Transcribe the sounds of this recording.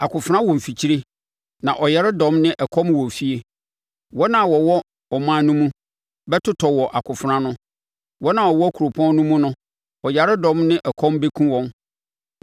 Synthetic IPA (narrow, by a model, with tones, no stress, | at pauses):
a˨kʰʊ˨fɾã˦wɔ̃˨m̩˨fi˨t͡ɕʰi˦ɾe˦ | nã˨ʔɔ˨jɛ˦ɾɪ˦dɔ̃˨˦mnɪ̃˦ʔɛ˨kʰɔ̃˦m˦wɔ˨fi˦e˨ | wɔ˦nã˨wɔ˨wɔ˦ | ɔ˨mãː˦nũ˦mũ˦ | bɛ˦tʰʊ˦tʰɔ˨wɔ˨ʔa˨kʰʊ˨fʊ˨ɾã˦nʊ̃˦ | wɔ˦nã˨ɔ˨wɔ˦æ˦kʰu˨ɾo˨pʰɔ̃˦n˦nʊ̃˦mʊ̃˦nʊ̃˦ | ɔ˨ja˨ɾɪ˦dɔ̃˨˦mnɪ̃˦ʔɛ˨kʰɔ̃˦mbe˦kʰũ˦wɔ̃˨n